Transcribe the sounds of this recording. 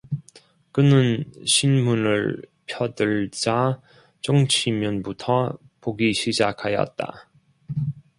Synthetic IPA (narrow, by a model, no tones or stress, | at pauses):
kɯnɯnɕʰinmunɯɭpʰjʌdɯɭd͡ʑa | t͡ɕʌŋt͡ɕʰimjʌnbutʰʌ | poɡiɕʰid͡ʑakʰajʌ̰t̚t͈a̰